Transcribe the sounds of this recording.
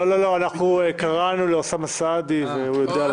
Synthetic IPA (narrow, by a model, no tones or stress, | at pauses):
olo̞lo̞anaχnuekaʁanuleosamasad̪iveujo̞dea